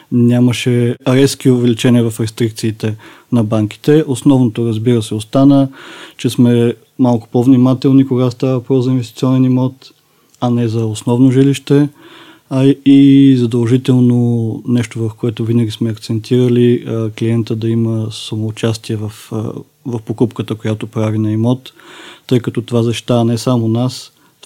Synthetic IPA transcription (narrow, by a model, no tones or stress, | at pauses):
nʲaməʃɛɾɛskiovɛlit͡ʃɛniəvɐfɾɛst̪ɾik̚t̪siːt̪ɛ | nɐbaŋk̟i̥t̪ɛʔosnɔvnot̪oɾəzbiɾəsɛost̪anət͡ʃɛsmɛ | malˠkʊ̥povnimat̪ɛlˠnikoɡast̪avəpɾɔzɐinvɛst̪i̥t̪siɔnɛnimɔt̪ | ɐnɛzɐosnɔvnoʒiliʃt̪ɛ | izɐd̪əlˠʒit̪ɛlˠnonɛʃt̪ovɐfkoɛt̪ʊvinəɡʲismɛɐkt̪sɛnt̪ʰiɾəlikliɛnt̪əd̪ɐiməsɐmoːt͡ʃast̪iɛvɐf | vɐfpokupkət̪əkojat̪opɾavinɐimɔt̪ːɤjkɐt̪ɔt̪ovazɐʃt̪i̥t̪avənɛsamonas